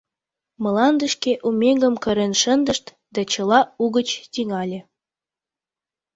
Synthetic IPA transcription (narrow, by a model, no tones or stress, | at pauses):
mə̆lɑnd̪əʃkeʔumʲeŋɡə̆mkəɾenʃənd̪əʃt̪ | d̪ɑt͡ɕəlɑuɣət͡ɕt̪iŋɑlʲe